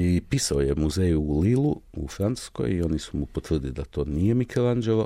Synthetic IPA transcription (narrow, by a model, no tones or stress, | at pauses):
ipisaoje̞muzeːjuːliluufɾant̪u̥sko̰jio̞nisumupot̪ʋr̩d̪ilid̪at̪o̞ːnije̞mikelˠand͡ʒelˠo